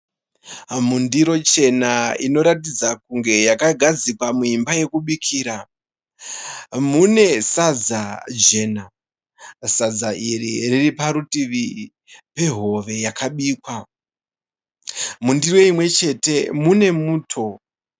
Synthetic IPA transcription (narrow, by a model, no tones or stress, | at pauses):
mundiɾo̞t͡ʃe̞naino̞ɾatid͡zakuŋɡe̞jakaɡʱad͡zikwamuimbaje̞kuɓikʰiːɾa | mune̞sad͡zad͡ʒena | sad͡zaʔirḭriripaɾutiʋi | pe̞ɦo̞ʋe̞jakaɓiːkwa | mundiro̞imwe̞t͡ʃe̞te̞mune̞muːtʰo̞